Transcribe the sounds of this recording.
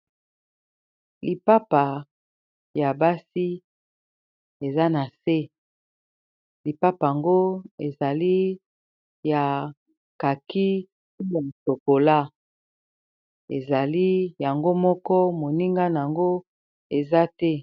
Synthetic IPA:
li˨pa˦pa˨ | ja˨ba˦si˦ | e˨za˦na˨se˦ | li˨pa˦pa˨a˨ŋɡo˦e˨za˨li˦ | ja˨ | ka˨ki˦ | u˦ja˨so˨ko˨la˦ | e˨za˨li˦ja˨ŋɡo˦mɔ˦kɔ˦mo˨ni˦ŋɡa˦na˨a˨ŋɡo˦ | e˨za˦tɛ˦

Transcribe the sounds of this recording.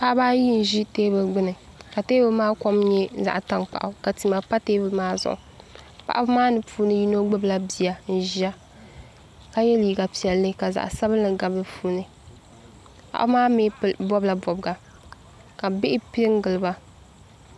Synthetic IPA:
pa˦ʔa˦baː˦ji˦n̩˨ʒi˦teː˦bɨ˨lɡ͡bɨ˦nɨ˨ | ka˨teː˦bɨ˦maː˦kɔ˦mɲɛ˦za̰˨ʔta˦ŋk͡pa̰˨ʔa˨ka˨ti˨ma˨pa˦teː˦bɨ˦maː˦zʊ̰˨ʔʊ̰˨pa̰˨ʔa˦bɨ˦maː˦nɨ˨pʰuː˦nɨ˦ji˦no˦ɡ͡bɨ˦bla˦bi˨ja˨n̩˦˨ʒi˦a˦ | ka˦jɛ˦liː˨ɡa˨pi˨ɛ˨lːɨ˦ka˨za̰˨ʔsa˦bɨ˦nɨ˨ɡa˨bɨ˦pʰuː˦nɨ˨ | pa̰˨ʔa̰˦bmaː˦me˦bɔ˦bla˨bɔ˨bɨ˨ɡa˨ | ka˨bɪ˦ʔɪ˦pi˦ŋ˦ɡɨ˨lɨ˨ba˦

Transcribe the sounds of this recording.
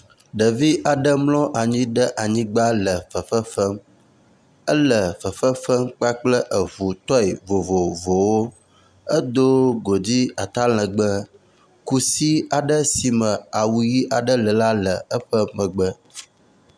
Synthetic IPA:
ɖə˨vi˦ʔa˨ɖə˦mlɔ̃˦ʔa˨ɲĩ˦ɖə˦ʔa˨ɲĩ˦ɡ͡ba˦lə˨fə˨fə˦fə˦m | ə˦lə˨fə˨fə˦fə˦mk͡pa˦k͡plə˦ʔə˨vu˨t̪ɔ˦i˨vo˨vo˨vo˨wo˦ | ə˦d̪o˦ɡo˨d͡ʑi˦a˨t̪a˦l̃ə̃˨ɡ͡bə˦ | ku˦si˦a˨ɖə˦si˨mə˨a˨wu˨ji˦ʔa˨ɖə˦lə˨la˦lə˨ə˦ɸə˦mə̃˨ɡ͡bə˦

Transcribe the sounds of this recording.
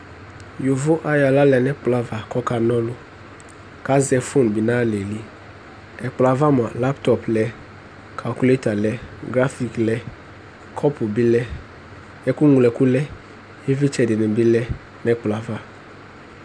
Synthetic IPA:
jʊ˨vʊ˦ʔa˦ja˨la˦lɛ˨nɛ˦k͡pla˦va˨kɔ˦ka˨nɔ̃˦lʊ˦ | ka˦zɛ˨fʊ˦n˨bɪ˨nãː˦lɛ˨li˦ | ɛ˨k͡pla˨va˦m˨a˨la˦ptɔ˨plɛ˨ | kʰa˨lku˦le˦ta˨lɛ˦ɡɾa˦fi˨klɛ˦ | kʰɔ˦pʊ˨bɪ˦lɛ˦ | ɛ˦kʊ˦ŋu˨lɛ˨ku˦lɛ˦ | e˦vɪ˦t͡ʃɛ˨dɪ˨nɪ̃˨bɪ˦lɛ˦ | nɛ˦k͡pla˨va˦

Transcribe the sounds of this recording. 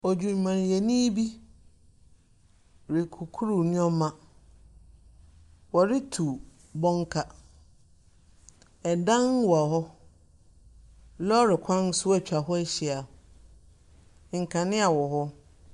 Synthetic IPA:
ɔ˨d͡ʑᶣũ˨m˨mã˨n˨je˨nĩ˦bi˦ | ɾɪ˨kʰu˨kʰu˦ɾu˦˨nʊ̃˦ɔ˦mã˨ | wɔ˨ɾɪ˦tʰu˨ | bɔ̃˦ŋ˦kʰa˨ | ɛ˨dã˦n˦wa˨ɦɔ˦ | lɔ˦ɾɪ˨kʷʰã˦n˦sʊ˦ɛ˨t͡ɕᶣa˨ɦɔ˦ɛ˦ɕi˨a˨ | ŋ̩˨kʰã˨nɪ̃˦a˨wɔ˨ɦɔ˦

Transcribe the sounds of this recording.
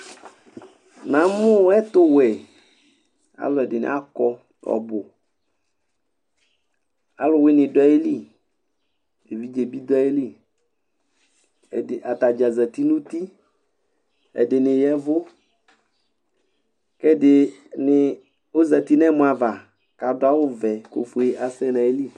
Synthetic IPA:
nã˨˦mʊ˦ɛ˦t̪ʊ˦wɛ˨ | a̰˨lʊ˨ɛ˨dɪ˨nɪ̰˦a˦kɔ˦ | ɔ̰˨bʊ˨ | a˨lʊ˨wɪ˦nɪ˨dɔ˦e˦li˦˨ | e˨vi˦d͡ʒe˨bi˦d̪ɔ˦e˦li˦ | ɛ̰˨dɪ˨ʔa˨t̪a˨d͡ʒa˨zɛ˨t̪i˦nũ˦t̪i˦ | ɛ̰˨dɪ˨nɪ˨jɛ˦vʊ˦ | kɛ˦dɪ˨nɪ˨ | ʊ˦zɛ˨t̪i˦nɛ˦mʊ̃˨a˨va˨ | ka˨˦dʊ˦a˦wʊ˦vɛ˨ko̰˨fu˨˦e˦ʔa˨sɛ˦nã˨e˦li˦˨

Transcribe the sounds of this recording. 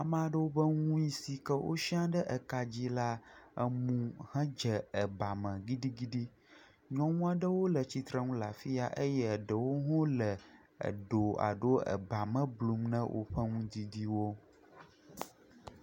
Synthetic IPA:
a˨mɛ̃˦a˨ɖə˦wo˦bə˦ŋũ˦i˦si˨kə˦wʔo̰˦ʃi˦ã˦ɖə˦ʔə˨ka˨d͡ʑi˦la˦ə˦mũ˦hɛ̃˦d͡ʒə˨ə˨ba˨mə̃˨ɡi˦ɖi˦ɡi˦ɖi˦ | ɲɔ̃˦ŋũ˦a˨ɖə˦wo˦lə˨t͡ɕi˨t̪ɾə˦ŋũ˦la˨fi˦a˨ʔə˦jɛ˦˨ɖə˨wo˦ɦɔ̃˦lə˨ | ə̰˨ɖo˨a̰˨ɖo˦ə̰˨ba˨mə̃˦blu˦mnə̃˦wʔo̰˦ɸə˦ŋũ˦d̪i˦d̪i˦wo˦

